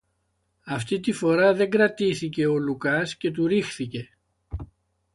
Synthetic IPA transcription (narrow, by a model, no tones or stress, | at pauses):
ɐft̪it̪ifo̞ɾɐðe̞ŋɡɾɐt̪iθice̞o̞lukɐsce̞t̪̬uɾixθice̞